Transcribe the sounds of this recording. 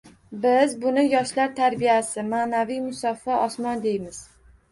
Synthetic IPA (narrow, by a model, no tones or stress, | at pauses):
bɪzbʊnɪjɒʃlaɾt̪ʰaɾbijasɪmaːnavijmʊsɒfɒʔɒsmɒnd̪e̞jmɪz̥